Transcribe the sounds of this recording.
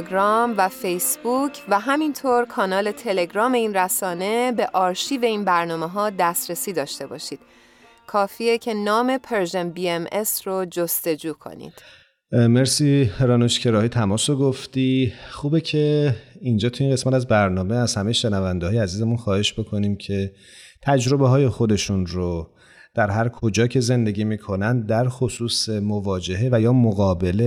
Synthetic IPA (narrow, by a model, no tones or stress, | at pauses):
ɡɾɒːmvæfejsbucʰvæɦæmint̪ʰoːɾkʰɒːnɒːle̞t̪ʰe̞le̞ɡɾɒːme̞iːnræsɒːne̞be̞ʔɒːɾʃiːveiːnbæɾnɒːme̞ɦɒːd̪æst̪ɾesiːd̪ɒːʃt̪e̞bɒ̰ːʃiːd̪̥ | kʰɒːfiːecʰe̞nɒːme̞pʰeɾʒenbiemesrod͡ʒost̪e̞d͡ʒuːkʰo̞̰nḭːd̪̥ | meɾsiːɾɒːnoʃcʰe̞ɾɒːɦit̪ʰæmɒːsoɡoft̪iχuːbe̞cʰe̞ind͡ʒɒːt̪ʰuinɢe̞smæt̪æzbæɾnɒːmeæz̥hæmejʃenævænd̪ehɒːjeæziːzemunxɒːhe̞ʃbo̞kʰo̞niːmcʰe̞ | t̪ʰæd͡ʒɾo̞be̞ɦɒːje̞xo̞d̪e̞ʃunɾo | d̪̥æɾɦæɾkʰo̞d͡ʒɒːcʰe̞ze̞nd̪e̞ɡʲiːmiːkʰo̞nænd̪̚d̪æɾxosuːsemovɒːd͡ʒe̞ɦe̞væjɒːmoɣɒːbe̞le